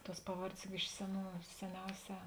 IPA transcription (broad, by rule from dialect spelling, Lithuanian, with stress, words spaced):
tuɔs ˈpɑːˌʋɐrʲdʲeːs jʊk ˈɪʃ sʲɛˌnuː sʲɛˈnʲɛʊˌsʲɛː